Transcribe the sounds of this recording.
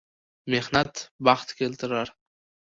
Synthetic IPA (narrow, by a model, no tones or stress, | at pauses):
me̞hnat̪bɑχt̪kʲʰelt̪ʰɪɾaɾ